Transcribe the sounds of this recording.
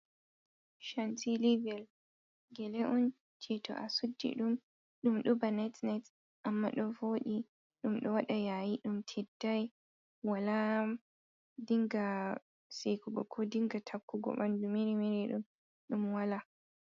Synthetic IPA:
ʃantilivɛl | ɡɛlɛʔɔn | t͡ʃʰɛtʰɔ̰ʔasudːḭɗum | ɗumɗɔbanatnat | ʔamːa̰ɗɔvoɗi | ɗumɗɔwaɗajajiɗumtʰɛdːaj | wala | diŋɡa | sɛjkuɡɔkʰɔdiŋɡatʰakːuɡɔ̰ɓandumɛɾɛmɛɾɛɗum | ɗumwala

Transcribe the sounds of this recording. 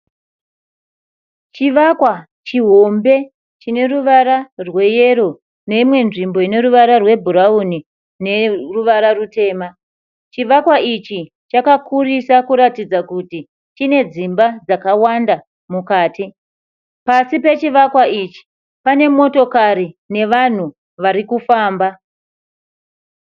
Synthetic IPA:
t͡ʃiʋakwa | t͡ʃiɦo̞mbe̞ | t͡ʃine̞ɾuʋaɾarwe̞je̞ɾo̞ | ne̞imwe̞nʐimbo̞ine̞ɾuʋaɾarwe̞bʱuɾauni | ne̞ruʋaɾarute̞ːma | t͡ʃiʋakwait͡ʃi | t͡ʃakakurisakuɾatid͡zakuti | t͡ʃine̞d͡zimbad͡zakawanda | mukaːti | pasipe̞t͡ʃiʋakwait͡ʃi̥ | pane̞mo̞to̞kaɾine̞ʋan̤u | ʋaɾikufaːmba

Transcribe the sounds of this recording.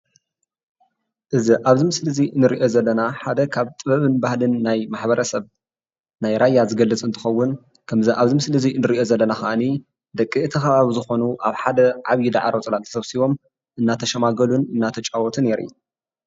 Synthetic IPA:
ʔɨziʔaβzimɨslɨzinɨɾiʔo̞zɐlːɐnaħad̪ɐkʰaβt̪ʼɨβɐβɨnbahlɨnːajmaħbɐɾɐsɐβ | najɾʔajːazɨɡɐlːɨt͡sʼɨnt̪ʰɨ̥xɐwːʊn | kʰɐmziʔaβzimɨslɨzinɨɾiʔo̞zɐlːɐnaxɐʔani | d̪ɐkʼːiɨt̪ʰɨxɐβaβizɨxo̞nuʔaβħad̪ɐʕaβjid̪a̰ʕaɾot͡sʼlat̪ʰɐ̥sʰɐβsiβo̞m | ʔɨnːat̪ʰɐʃɐmaɡɐlunɨnːat̪ʰɐt͡ʃʼawɔt̪ʰɨne̞ɾḭ

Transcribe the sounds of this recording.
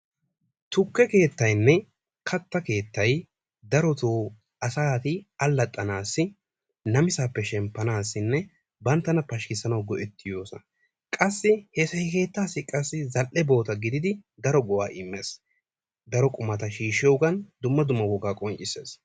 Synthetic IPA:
t̪ʊkːɛke̞ːt̪ːɐjnːɛ | kʰɐt̪ːɐke̞ːt̪ːɐj | d̪ɐɾɔt̪uː | ɐsaːt̪ɪɐlːɐt̪ʼːɐnaːsːɪ | nɐmɪsaːpːɛʃɛmpːɐnaːsːɪnːɛ | bɐnt̪ːɐnɐpɐʃkɪsːɐnɐwɡɔʔɛt̪ːɪjo̞ːsɐ̰ | kʼɐsːɪhɛsɐhɪke̞ːt̪ːaːsːɪkʼɐsːɪzɐlʔɛbo̞ːt̪ɐɡɪd̪ɪd̪ɪd̪ɐɾɔɡɔwa̰ːʔɪmːeːs | d̪ɐɾɔkʼʊmɐt̪ɐʃiːʃɪɔʊɡɐnd̪ʊmːɐd̪ʊmːɐwɔɡaːkʼɔŋt͡ʃʼɪse̞̰ːs

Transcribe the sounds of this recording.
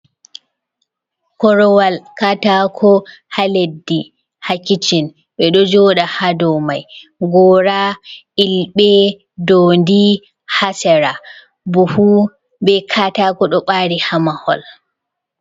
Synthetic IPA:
kɔɾɔwalkatakʰɔ | haledːi | hakit͡ʃin | ɓɛɗɔd͡ʒɔɗahadɔmajɡɔːɾa | ilɓɛ | dɔːndi | hasɛɾa | buhu | bɛkʰatakɔɗɔɓaɾihamahɔ̰l

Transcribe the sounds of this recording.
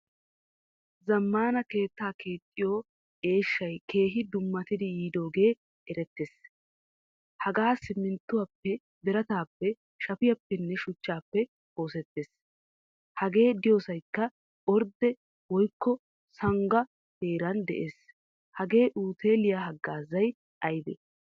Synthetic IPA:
zɐmːaːnɐke̞ːt̪ːaːkeːt̪ʼːɪjoː | e̞ːʃːɐjke̞ːɦɪd̪ʊmːɐt̪ɪd̪ɪjiːd̪o̞ːɡe̞ː | ɛɾɛt̪ːeːs | hɐɡaːsɪmːɪnt̪ːʊwɐpːɛ | b̪ɛɾɐt̪aːpːɛ | ʃɐpɪjɐpːɛnːɛʃʊt͡ʃːaːpːɛ | o̞ːsɛt̪ːeːs | hɐɡe̞ːd̪ɪjoːsɐjkːɐ | ɔɾd̪ɛ | wɔjkːɔ | sɐŋɡɐ | t̪eːɾɐnd̪ɛ̰ʔe̞ːs | hɐɡe̞ːʔuːt̪ʰe̞ːlɪjaɦɐɡːaːzɐj | ʔɐjd̪ɛ̰

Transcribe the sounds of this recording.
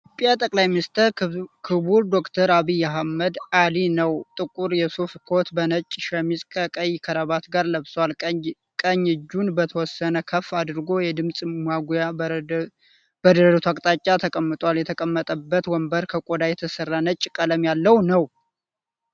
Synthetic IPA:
pʼjat̪ʼəkʼlajminist̪ʰəɾkʰɨβuld̪o̞kt̪ʰəɾaβijːaɦaməd̪alinəwt̪ʼɨkʼuɾjɛsufkʰo̞t̪bənət͡ʃʼːʃəmisʼkʼəkʼəjkʰəɾəβat̪ɡaɾləβswal | kʼəɲːɨd͡ʒːunbət̪ʰəwɔsːənəkʰəfad̪ɾɨɡo̞jɛd̪ɨmsʼmaɡja | bəd̪əɾəd̪ət̪ʰakʼt̪ʼat͡ʃʼːat̪ʰəkʼəmːɨt̪ʼwaljɛt̪ʰəkʼəmːət̪ʼəbːət̪wɔmbəɾkʰəkʼod̪ajɛt̪ʰəsərːanət͡ʃʼːkʼələmjalːəwnəw

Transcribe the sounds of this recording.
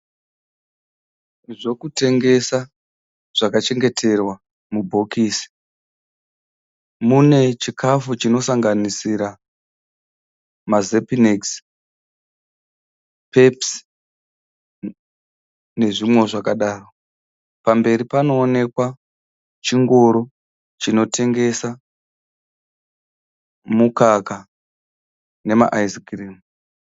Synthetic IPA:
ʐo̞kute̞ŋɡe̞sa | ʐ̥akat͡ʃe̞ŋɡe̞tʰe̞rwa | mubʱo̞kʰisi̥ | mune̞t͡ʃikʰafut͡ʃino̞saŋɡanisiɾa | mazepineks | pe̞ps | ne̞ʐimwo̞ʐakaɗaːro | pambe̞ɾipano̞ːne̞kwa | t͡ʃiŋɡo̞ɾo̞ | t͡ʃino̞tʰe̞ŋɡe̞sa | mukaka | ne̞ma̰ʔaizikriːmu

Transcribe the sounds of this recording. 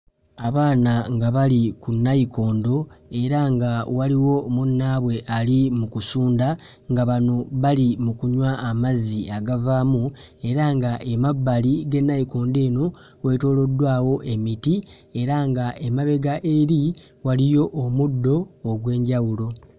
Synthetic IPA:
aβaːnaŋɡaβalikunːajiko̞ːndo̞e̞ɾaŋɡawaliwo̞munːaːβwe̞ʔalimukusuːnda | ŋɡaβano̞βalimukuɲwaːmaziaɡavaːmu | e̞ɾaŋɡaʔemabːaliɡe̞nːajiko̞ːnde̞ːno̞ | we̞ːto̞ːlo̞dːwaːwo̞ʔe̞miti | e̞ɾaŋɡaʔe̞maβe̞ɡaʔeɾi | walijo̞ʔːmudːo̞ːɡwe̞ːɲɟawulo̞

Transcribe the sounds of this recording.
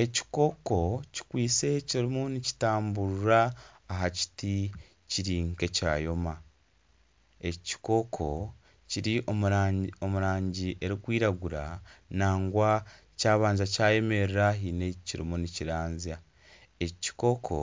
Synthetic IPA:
e̞ci̥ko̞ko̞ci̥kwiːse̞ciɾimunici̥taːmbuɾuɾaːɦaci̥ti | ciɾiːŋke̞ca̰ːjo̞ma | e̞ci̥ko̞kʰo̞ | ciɾiʔoo̞muɾaːɲɟiʔe̞ɾikwiːɾaɡuɾa̰naːŋɡwa | caːβaːnzacaːje̞me̞ɾɾaɦiːne̞ciɾḭmuniciɾaːnzia | eci̥ko̞kʰo̰

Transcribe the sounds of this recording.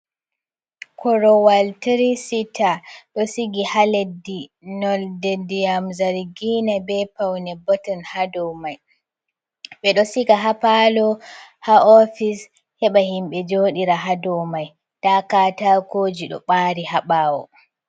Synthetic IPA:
kʰɔɾɔwaltiɾisitʰaɗɔsiɡihaledːinɔldɛdijamzaɾɡinabɛpawnɛbɔtɔnhadɔwmaj | ɓɛɗɔsiɡaɦapalɔhaɔfis | hɛɓahimɓɛd͡ʒoːɗiɾaɦadɔwmaj | takaːtakoːd͡ʒiɗɔ̰ɓaːɾihaɓaːwɔ

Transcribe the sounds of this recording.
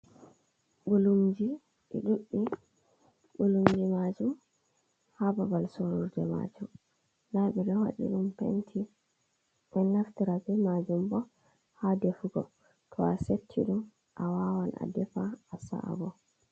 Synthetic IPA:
ɓulumd͡ʒi | ʔɛ̰ɗuʔːi | ɓulumd͡ʒimad͡ʒum | hababalsoɾuɾdɛma̰d͡ʒum | laɓiɾɛhaɗḭɗumpḛntʰi | ɛnːaftiɾabɛmad͡ʒumbɔ | hadefuɡɔ | tʰɔasetʰːiɗum | ʔawawanʔa̰dɛfaasa̰ʔa̰bɔ

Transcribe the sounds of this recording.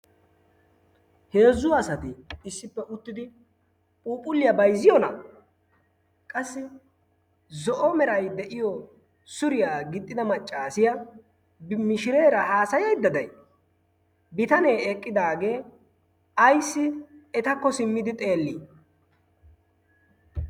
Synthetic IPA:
he̞ːzːʊɐsɐt̪ɪːsːɪpːɛʔʊt̪ːɪd̪ɪ | pʼuːpʼʊlːɪjɐbɐjzːɪjɔnɐ̰ | kʼɐsːɪ | zɔʔɔmɛɾɐjd̪ɛʔɪjɔ | sʊɾɪjaːɡɪt̪ʼːɪd̪ɐmɐt͡ʃʼːaːsɪjɐ | bmɪʃɪɾe̞ːɾɐhaːsɐjɐjd̪ɐd̪ɐj | bɪt̪ɐne̞ːɛkʼːɪd̪aːɡe̞ː | ɐjsːɪɛt̪ɐkːɔsɪmːɪd̪ɪt̪ʼe̞ːlːiː

